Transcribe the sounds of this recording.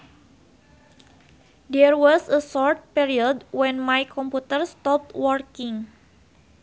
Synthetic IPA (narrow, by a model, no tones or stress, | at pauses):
dɛrwɔsəsɔrt̪̚piɾiɔdwɛ̃nmajkʰɔmput̪ərst̪ɔp̚t̪wɔrkĩŋ